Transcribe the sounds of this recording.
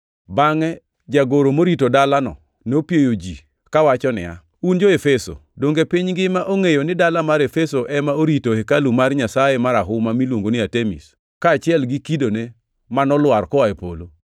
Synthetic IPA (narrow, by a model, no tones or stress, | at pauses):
baŋɛ | d͡ʒaɡoɾomoɾitodalanɔ̰ | nopjejod͡ʒi | kawat͡ʃɔnɪ̰a̰ | und͡ʒoefeso̰doŋɡepiɲɡɪmaʔoŋejonɪdalamaɾefesoʔɛmaoɾitohekalumarɲasajemaɾaɦʊmamilwoŋɡonɪatemḭs | kaːt͡ʃɪɛlɡɪkidone | manɔlwarkɔaepo̰lo